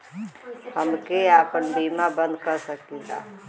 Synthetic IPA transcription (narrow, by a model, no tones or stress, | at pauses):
həmkeaːpənɖiːmabə̃nd̪̚kəɾsəkĩɡa̰ː